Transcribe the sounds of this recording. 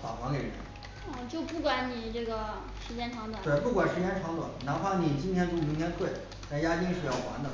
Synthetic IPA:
fa̰˨˩xʰwɑ˧˥ŋke˨˩ɪɻə̰˧˥˧ | t͡ɕjo˥˧ʊpu˥˩kwa˧˥nni˨˩ʈ͡ʂɤ˥˩ɡə˩ | ʂɻ̩˧˥t͡ɕjɛ˥nʈ͡ʂʰwɑ˧˥ŋt̪wa˨˩˨we˥˩ɪpu˥˩kwa˨˩nʂɻ̩˧˥t͡ɕjɛ˥nʈ͡ʂʰɑ˧˥ŋt̪wa̰˨˩˦nna˧˥pʰa˥˩ni˨˩t͡ɕi˥nt̪ʰjɛ˥nʈ͡ʂu˧˥˩mi˧˥ŋt̪ʰɛ˥nt̪ʰwe˥˩ɪ | t͡sa˥˩ɪja˥t͡ɕi˥ŋʂɻ̩˥˧jɑ˥˩ʊxwa̰˧˥nd̪ə˧˨˧

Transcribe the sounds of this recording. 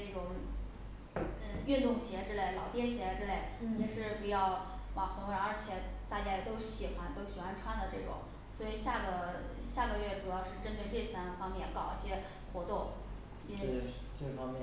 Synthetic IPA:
ʈ͡ʂɤ˥˩ʈ͡ʂʊ˨˩ŋ | ə˧y˥˧nt̪ʊ˥˩ŋɕjɛ˧˥ʈ͡ʂɻ̩˥le˥˩ɪlɑ˨˩ʊt̪jɛ˥˩ɕjɛ˧˥ʈ͡ʂɻ̩˥˧le˥˩ɪjɛ˨˩ʂɻ̩˥˩pu˧˥jɑ˥˩ʊwa˨˩xʰɤ˧˥ŋwə˧˥ə˞˧˥t͡ɕʰjɛ˨˩t̪a˥˧t͡ɕja˥ɛ˨˩t̪o˥ʊɕi˨˩xwa˧˥nt̪o˥ʊɕi˨˩xwa˧˥nʈ͡ʂʰwa˥nd̪ə˨˩ʈ͡ʂɤ˥˩ʈ͡ʂʊ̰˨˩˦ŋ | swɔ˧˥i˨˩ɕja˥˩ɡə˩ɕja˥˩ɡə˩ɥɛ˥˩ʈ͡ʂu˨˩jɑ˥˧ʊʂɻ̩˥˧ʈ͡ʂə˥nt̪we˧ɪʈ͡ʂɤ˥˩sa˥nfɑ˥ŋmjɛ˥˩nkɑ˨˩ʊ˥˩ɕjɛ˥ | xwɔ˧˥t̪ʊ˥˩ŋ | i˧˥˩ | ʈ͡ʂə˥˩fɑ˥ŋmj

